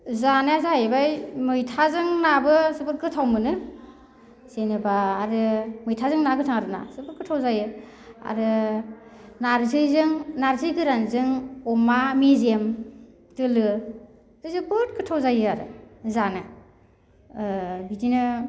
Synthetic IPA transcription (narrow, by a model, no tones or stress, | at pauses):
zanɯazaajbajmɯjtʰazɯŋnabɯsɯbɯɾɡɯtʰawmɯnɯ | senɯbaːɾɯmɯjtʰazɯŋnaɡɯtʰaŋaɾɯna̰sɯbɯɾkɯtʰawzajɯ | a̰ɾɯ | naɾzɯjzɯŋnaɾzɯjɡɯɾanzɯŋɔmamezem | tɯlɯ | dɯzɯbɯt̚kɯtʰawzajɯaɾɯ̰zanɯ | bidinɯ